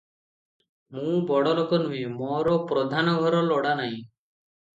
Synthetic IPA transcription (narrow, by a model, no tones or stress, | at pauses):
mũbɔɽɔlɔkɔnuimɔɾɔpɾɔd̪ʱanɔɡʱɔɾɔlɔɽanaɦĩ